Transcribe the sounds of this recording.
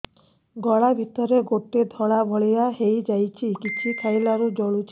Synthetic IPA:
ɡɔɭabʱit̪ɔɾeɡoʈed̪ʱɔɭabʱɔɭijaɦejd͡ʒajt͡ʃʰikit͡ʃʰikʰajlaɾud͡ʒɔɭut͡ʃʰ

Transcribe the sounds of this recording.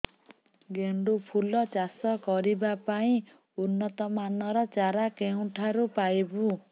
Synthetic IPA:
ɡeɳɖupʰulːʌt͡ʃasɔkɔɾibapaĩ | unːɔt̪ɔmanʌɾʌt͡ʃaɾakew̃ʈʰaɾupajbu

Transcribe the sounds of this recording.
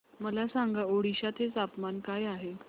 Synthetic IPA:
məlasaŋɡaoɽiɕat̪ɦet͡sapmankajaɦe

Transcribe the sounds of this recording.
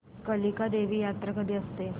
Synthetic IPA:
kəlikad̪eʋiːjat̪ɾəkəd̪iəst̪e

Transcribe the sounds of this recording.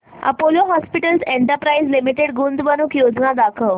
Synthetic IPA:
ə̰poloɦɔspiʈəlseɳʈəɾpɾaizlimiʈeɽɡund̪bənukjod͡znad̪akʰəʋ

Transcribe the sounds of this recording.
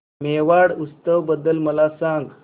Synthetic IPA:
meʋaɽust̪əʋbəd̪əlməlasaŋɡ

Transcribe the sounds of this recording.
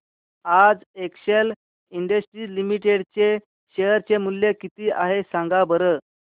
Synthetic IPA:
ad͡zekɕel | iɳɖəsʈɾiːlimiʈeɽt͡ɕe | ɕeɦəɾt͡ɕemuljekit̪iːʔaɦesãŋɡabəɾə

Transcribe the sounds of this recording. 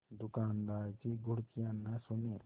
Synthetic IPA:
d̪ʊkaːnd̪aːɾt͡ʃiɡʱʊɽt͡ʃijanːasʊne

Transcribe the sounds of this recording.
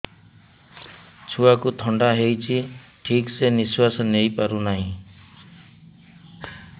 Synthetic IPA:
t͡ʃʰuakut̪ʰɔɳɖaɦejt͡ʃʰiʈʰikseniswasɔnejpaɾunaɦĩ

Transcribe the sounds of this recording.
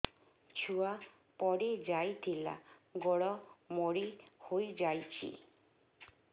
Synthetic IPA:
t͡ʃʰua | pɔɽid͡ʒajt̪ʰila̰ɡɔɽɔmoɽihojd͡ʒajt͡ʃʰḭ

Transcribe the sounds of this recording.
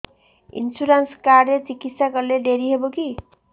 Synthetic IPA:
ḭnsuɾanskarlet͡sikit̪saɡʌrleɖʱeɾiɦeboki

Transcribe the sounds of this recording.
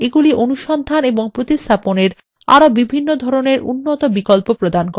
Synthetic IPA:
eɡuliʔonuʃɔnd̪ʱaneboŋpɾot̪ist̪ʰaponeɾ | a̰ɾobibʱinːod̪ʱɔɾoneɾṵnːot̪obikolpopɾod̪ank

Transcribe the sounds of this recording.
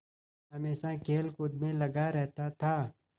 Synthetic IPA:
ɦɐmeːsakʰeːlkʊd̪mẽlɐɡaɾɛɦt̪at̪ʰaː

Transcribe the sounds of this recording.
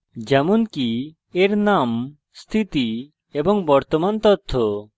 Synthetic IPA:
d͡ʒɛmonki | eɾnam | st̪ʰit̪i | ebɔŋbɔɾt̪omant̪ɔt̪ʰːo

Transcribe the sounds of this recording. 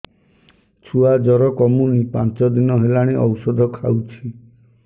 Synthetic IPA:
t͡ʃʰuad͡ʒɔɾɔkɔmunipãnt͡ʃɔd̪inɔɦelaɽ̃eʔɔwsɔd̪ʱɔkʰawt͡ʃʰi

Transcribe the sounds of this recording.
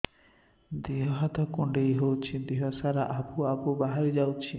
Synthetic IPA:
d̪iɦɔɦat̪ɔkuɳɖejɦowt͡ʃʰid̪iɦɔsaɾaʔabuabubaɦaɾid͡ʒawt͡ʃʰi

